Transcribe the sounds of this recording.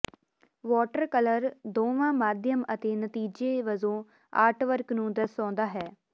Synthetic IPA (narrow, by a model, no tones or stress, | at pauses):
ʋɔːʈəɾkələɾd̪oːʋãːmaːd̪ʱjəmət̪eːnət̪iːd͡ʒeːʋəzõː | a̰ːʈʰʋəɾknũːd̪əsɔ̃ːnd̪aːɦɛː